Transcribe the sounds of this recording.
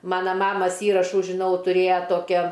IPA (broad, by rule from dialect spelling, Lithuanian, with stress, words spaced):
ˈmɑːnɐ ˈmɑːmɐs ˈiːrɐʃuː ʒʲɪˈnɐʊ tʊˈrʲeːjɛ ˈtoːkʲɛ